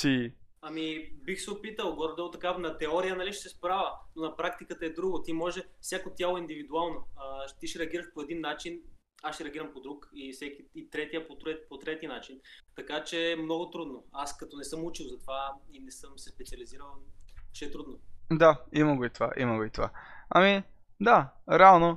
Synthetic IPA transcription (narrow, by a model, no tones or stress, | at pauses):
siɐmibixsɛopit̪əlˠɡɔɾd̪ɛlˠt̪ɐkanɐt̪ɛɔɾijənɐliʃsɛspɾavənonɐpɾakt̪ikət̪əɛd̪ɾuɡot̪imɔʒɛfsʲjakot̪ʲjalˠoind̪ivid̪ualˠnoəʃt̪iʃɾɛɐɡʲiɾəʃpoɛd̪inːat͡ʃin | asʃt̪ɛɾɛɐɡiɾəmpod̪ɾukifsɛkiit̪ɾɛt̪ijəpot̪ɾɛpot̪ɾɛt̪inat͡ʃint̪ɐkat͡ʃɛːmnɔɡot̪ɾud̪noaskɐt̪ɔnɛsɤmut͡ʃilˠzɐt̪ovainɛsɤmsɛspɛt̪siɐliziɾəlˠʃɛt̪ɾud̪nod̪aimɐɡoit̪ova̰ʔḭməɡoit̪ova̰ɐmi | d̪aɾɛalˠno